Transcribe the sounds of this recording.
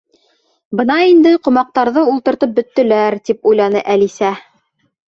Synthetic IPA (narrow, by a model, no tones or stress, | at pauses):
bɤ̆nɑind̪ɘqŏmɑq̚t̪ɑɾðɤulˠt̪ɤ̆ɾt̪ɤp̚bɵ̆t̪ːɵ̆læɾt̪ipujlˠɑnɤʔælisæ